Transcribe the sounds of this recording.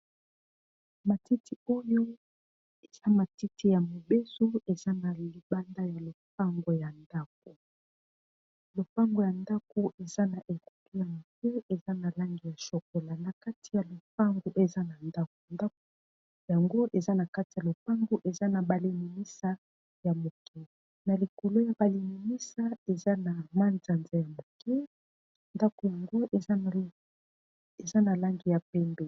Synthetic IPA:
ma˨ti˦tʰi˦o˦jo˦ | e˨z̥a˦ma˨ti˦ti˦ja˨mo˨be˦so˦e˨za˦na˨li˨ba˦nda˦ja˨lo˨p̚a˦ŋɡo˨ja˨nda˦k̚o˨ | lo˨pa˦ŋɡo˨ja˨nda˦ko˨ʔe˨za˦na˨ʔe˨ku̥˨tu˦ja˨mo˨ke˦e˨za˦na˨la˦ŋɡi˨ja˨so˨k̚o˨la˨na˨ka˦tʰi̥˨ja˨lo˨p̚a˦ŋɡu˨ʔe˨za˦na˨nda˦k̚o˨nda˦k̚o˦ | ja˨ŋɡo˦ʔe˨za˦na˨ka˦ti˨ja˨lo˨pa˦ŋɡu˦ʔe˨za˦na˨ba˨li˨mi˨mi˦sa˦ | ja˨mo˨kɛ˦ | na˨li˨ko˨lo˦ja˨ba˨li˨mi˨mi˦sa˦e˨za˦na˨ma˦nza˨nza˦ja˨mo˨kɛ˦ | nda˦ko˨ja˨ŋɡo˦ʔe˨˦˨ | e˨za˦na˨la˦ŋɡi˨ja˨pɛ˦mbɛ˨

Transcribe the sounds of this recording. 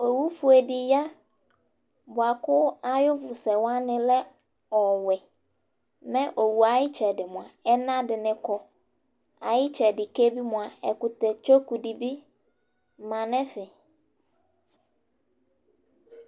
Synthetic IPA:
o˨wu˦fʊ˨ɛ˨dɪ˨ja˦ | bʊ˨a˨kʊ˦a˦jʊ˦vʊ˨sɛ˨wã˦nɪ̃˦lɛ˦ | ɔ˨wɛ˨ | mɛ̃˦ʔo˨wu˨a˨jɪ˦t͡ʃʰɛ˨dɪ˨mʊ̃˨a˨ɛ˦nã˦dɪ˨nɪ̃˦kʰɔ˦ | a˨jɪ˦t͡ʃʰɛ˨dɪ˨ke˦bi˦mʊ̃˨a˨ɛ˨kʊ˨tɛ˨t͡ʃo˦ku˨di˨bi˦˨ | mã˨nɛ̃˦fɪ˨

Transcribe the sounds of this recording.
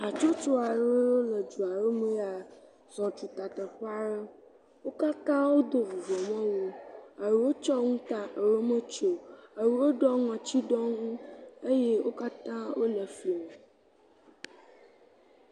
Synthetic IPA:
a˨t͡ʃo˦t͡ʃo˦a˨ɾə˦wo˦lə˨d͡ʒu˨a˨ɾə˦mẽ˦a˨ | zɔ̃˨t͡ʃu˨t̪a˨t̪ə˨ɸa˦ɖə˦ | wo˦ka˦t̪ã˦wo˦d̪o˨vu˨vɔ˨mã˦wo˦ə˨ɾu˨wo˦t͡ʃɔ˦ŋũ˦t̪a˨ə˨ɾo˦mə˦t͡ʃo˨ə˨wu˨wo˦ɖɔ˦ŋɔ̃˨t͡ɕi˦ɖɔ˦ŋũ˦e˦je˦wo˦ka˦t̪ã˦wo˦lə˨fli˨o˨

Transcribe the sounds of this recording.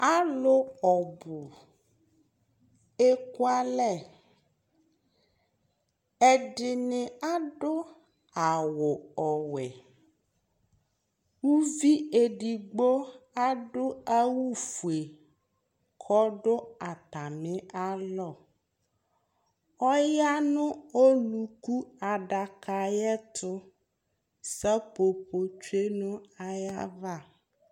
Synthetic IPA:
a˦lo˦ɔ˨bu˨ | e˦ko˦a˦lɛ˦˨ | ɛ˨ɖɪ˨nɪ˨a˦ɖo˦ | a˨wo˨ɔ˨wɛ˨ | wu˦vi˦e˨ɖi˨ɡ͡bo˦a˦ɖo˦a˦wu˦fu˨e˨ | kʰɔ˦ɖʊ˦a˨t̪a˨mɛ̃˦a˦lɔ˦˨ | ɔ˦ja˦nʊ̃˦o˦lu˨ku˦a˨ɖa˨ka˨jɛ˦t̪ʰʊ˦ | sɛ˦po˨po˨t͡ʃu˦e˦nʊ̃˦a˦ja˦va˦˨

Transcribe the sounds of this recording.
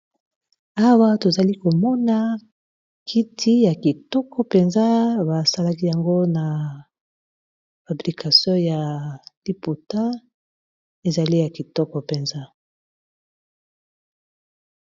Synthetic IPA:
a˦wa˦to˨za˨li˦ko˨mɔ˦na˦ | kʰi˦tʰi˦ja˨ki˨tɔ˦kɔ˦pe˨nza˦ba˨sa˦la˦ki˦ja˨ŋɡo˦na˨ | fa˨bʁi˨kʰa˨sjɔ̃˦ja˨li˦po˨ta˦ | e˨za˨li˦ja˨ki˨tɔ˦kɔ˨pe˨nza˦

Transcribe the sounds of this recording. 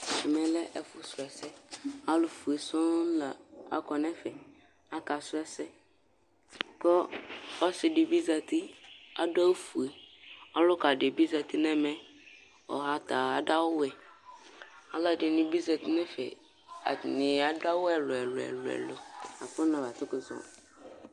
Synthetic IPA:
ɛ˨mɛ̃˨lɛ˦ʔɛ˨fʊ˦sʊ˨ɛ˨sɛ˦a˦lʊ˨fu˨e˨sʊ̃˦la˨a̰˦kɔ˨nɛ̃˦fɛ˨ | a˦ka˨sʊ˦ɛ˦sɛ˦ | kɔ˦ɔ˦sɪ˨dɪ˨bi˦za˨tɪ˦a˦dʊ˦a˦fu˨e˨ɔ˦lʊ˦ka˨dɪ˨bi˦za˨tʰɪ˦nɛ̃˦mɛ̃˦ | ɔ̰˨ɦa˦tʰa˨a˨da˦wʊ˦ɛ˨ | a˦la˨dɪ˨nɪ̃˦bi˦za˨tɪ˦nɛ̃˦fɛ̰˨ | a̰˨nɪ̃˨a˨da˦wʊ˦ɛ˨lʊ˨ɛ˨lʊ˨ɛ̰˨lʊ̰˨ɛ̰˨lo˨a˨fʊ˦nã˨ba˨tʊ˦kʊ˨zɔ̰̃˨

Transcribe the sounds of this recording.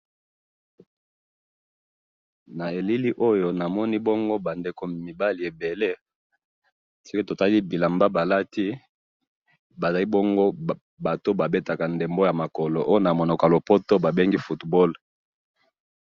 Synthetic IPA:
na˨e˨li˦li˦ʔo˦jo˦na˨mɔ˦ni˦bɔ˦ŋɡo˦ba˨nde˨ko˨mi˨ba˦li˨e˨be˨le˦ | si˦ke˦to˨ta˦li˦bi˨la˨mba˦ba˨la˦ti˦ | ba˨za˨li˦bɔ˦ŋɡo˦ | ba˨to˦ba˨be˦ta˨ka˨nde˨mbo˦ja˨ma˨kɔ˨lo˨ʔo˦jo˦na˨mo˨no˨ka˨lo˨po˦to˦ba˨be˦ŋɡi˦fu˨tbɔ˦l

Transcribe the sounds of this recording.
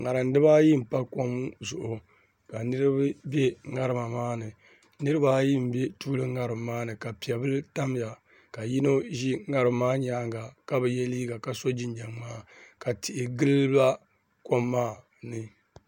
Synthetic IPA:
ŋa˨ɾɨ˨n˦dɨ˦ba˦ji˦m̩˨pa˦ko˦mzʊ˨ʔʊ˨ | ka˨nɨ˦ɾɨ˦bɨ˦bɛ˦ŋa˦ɾɨ˨ma˨maː˦nɨ˨ | nɨ˦ɾɨ˦ba˦ji˦m̩˨bɛ˦tu˦lɨ˦ŋa˨ɾɨ˨mː˦aː˦nɨ˨ka˨pi˨ɛ˨bɨ˦lta˦m˦ja˨ | ka˨ji˦no˦ʒi˦ŋa˦ɾɨ˨mː˦aː˦ɲaː˦ŋɡa˨ka˦bɨ˨jɛ˦liː˦ɡa˨ka˨so˦d͡ʒɪ˦nd͡ʒa˨ŋmaː˦ka˨ti˨ʔɪ˨ɡɨ˦lba˦ | ko˦mːaː˦˨ | nɨ˨

